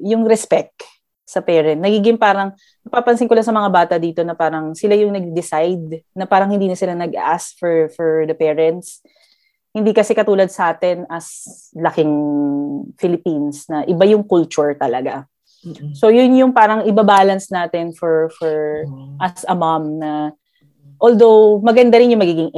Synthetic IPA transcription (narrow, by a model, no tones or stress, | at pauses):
jʊŋɾɛspɛkt̪̚ | sɐpɛːɾɛnt̪̚nɐɡiːɡɪŋpaːɾɐŋ | nɐpaːpɐnsɪŋkʊlansɐmɐŋabaːt̪ɐd̪iːt̪o̞nɐpaːɾɐŋsɪlajʊŋnɐɡ̚d̪ɪsajd̪̚nɐpaːɾɐŋhɪnd̪iːnɐsɪlanɐɡɐ̰ʔaskfɔɹfɔɹd̪ɐpɛːɹɛnt̪s | hɪnd̪iːkɐsɛkɐt̪uːlɐd̪̚sɐʔaːt̪ɛnɐs | lɐkɪŋ | fɪlɪpinsnɐʔɪbajʊŋkʊlt͡ʃʊɹt̪ɐlɐɡa | so̞jʊnjʊŋpaːɾɐŋɪbabaːlɐnsnaːt̪ɛnfɔɹfɔɹʔɐsɐmamnɐ | ʔold̪o̞wmɐɡɐnd̪aɾɪnjʊŋmɐɡiːɡɪŋ